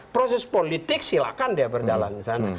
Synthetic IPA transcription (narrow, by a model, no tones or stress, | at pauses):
pɾosɛspolit̪ɪk̚sila̰kandiabərd͡ʒala̰ndisana